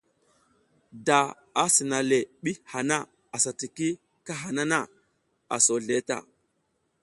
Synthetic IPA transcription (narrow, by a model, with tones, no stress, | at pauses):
da˨ | a˦si˨na˨le˨ɓi˦ha˨na˦ | a˨sa˨ti˨ki˦ | ka˦ɦa˨na˦na˦˨ | a̰˨so˨ɮe˦ta̰˨